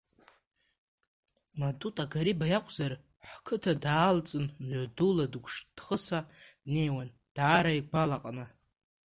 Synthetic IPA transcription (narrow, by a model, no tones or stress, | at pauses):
madutʼaɡaɾibajakʷʰʼzar | ħkʰɨtʰadaːlt͡sʼɨnʕaduladkʷʰʂd̥χəsane̞jwan | d̥aːɾaiɡʷalaqʼnɨ